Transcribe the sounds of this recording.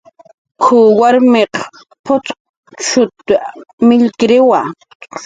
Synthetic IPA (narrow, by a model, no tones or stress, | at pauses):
kʰʊwaɾmeq | pʰʊt͡sq | t͡ʃʊt̪mɪʎkɾɪwa